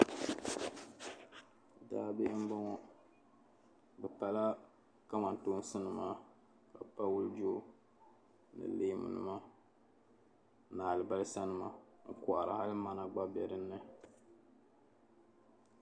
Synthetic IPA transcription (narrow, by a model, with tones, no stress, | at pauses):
da̰ː˨˦˨be˦ʔm̩˦bɔ˦ŋɔ˦ | bɛ˨pa˨la˦ | ka˦ma˨n˨toː˦n˦sɨ˦nɨ˨ma˦ | ka˨pa˦wu˦ld͡ʒo˦ | nɨ̰˨leː˦mɨ̰˨nɨ̰˦ma˦ | naː˨lɨ˨ba˦lsa˦nɨ˦˨ma˦ | ŋ̩˨kʊ˨ʔa˨ɾa˨ha˦lɨ˦ma˦na˦ɡ͡ba˦bɛ˨ɾɨ˦nːɨ˦